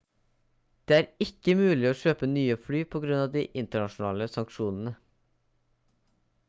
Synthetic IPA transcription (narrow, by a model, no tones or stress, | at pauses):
d̪̥eːæːɾɪkəmʉːlɪoːʃøːpənyːəflyːpʰɔɡɾʉnɑːʋd̪ḭːʔɪnt̪əɳɑʃn̩ɑ̰ːləsɑŋkʃuːnn̩ə